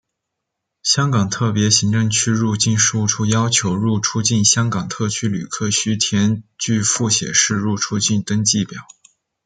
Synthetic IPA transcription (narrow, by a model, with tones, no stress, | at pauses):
ɕjɑ˥ŋkɑ˨˩ŋt̪ʰɤ˥˩pjɛ˧˥ɕi˧˥ŋʈ͡ʂə˥˧ŋt͡ɕʰy˥ɻu˥˧t͡ɕi˥˧nʂu˥˩ʈ͡ʂʰu˥jɑ˥ʊt͡ɕʰjo˧˥ʊɻu˥˩ʈ͡ʂʰu˥t͡ɕi˥˩nɕjɑ˥ŋkɑ˨˩ŋt̪ʰɤ˥˩t͡ɕʰy˥ly̰˨˩kʰɤ˥˩ɕy˥t̪ʰjɛ˧˥nt͡ɕy˥˧fu˥˩ɕjɛ̰˨˩ʂɻ̩˥˧ɻu˥˩ʈ͡ʂʰu˥t͡ɕi˥˩nt̪ɤ˥ŋt͡ɕi˥˩pjɑ˨˩˦ʊ